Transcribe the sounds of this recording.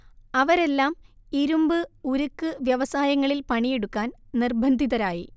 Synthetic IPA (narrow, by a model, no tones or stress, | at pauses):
ɐʋɐɾe̞lːaːmiɾumbɨuɾukːɨʋjɐʋɐsaːjɐŋːɐɭilpɐɳijeɽukːaːnnirbʱɐnd̪ʱiðɐɾaːji